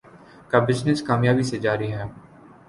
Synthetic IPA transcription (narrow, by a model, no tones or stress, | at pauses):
kabɪznɪskaːmjaːbiːsed͡ʒaːɾiːɦɛː